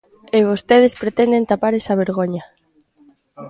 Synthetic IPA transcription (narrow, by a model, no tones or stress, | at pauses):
ɪβost̪eð̞espɾet̪ɛnd̪ent̪apaɾesɐβ̞eɾɣoɲa